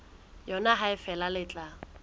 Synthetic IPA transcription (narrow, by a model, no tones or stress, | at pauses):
jɔnaɦaɪfɛlalɪt͡ɬʼa